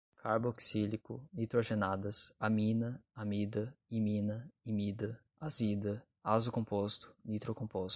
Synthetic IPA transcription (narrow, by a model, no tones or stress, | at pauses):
kʰaɾboksilikʊ̰nit̪ɾoʒenad̪ɐsamĩnɐamid̪ɐimĩnɐimid̪ɐ | azid̪ɐ | azʊkõpost̪ʊ̥nit̪ɾokõmpos